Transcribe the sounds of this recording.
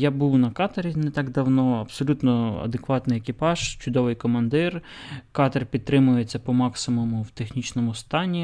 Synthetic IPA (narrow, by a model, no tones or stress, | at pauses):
jabuwnɐkɑt̪ɐɾʲinet̪ɑɡd̪ɐwnɔɐbsɔlʲut̪nɔɐ̰d̪ekʋɑt̪nɪjekʲɪpɑʒ̥t͡ʃʊd̪ɔʋɪjkɔmɐnd̪ɪr | kɑt̪ɐrpʲid̪̚t̪ɾɪmʊjet͡sʲːɐpɔmɑksɪmʊmʊwt̪exnʲit͡ʃnɔmʊst̪ɑnʲi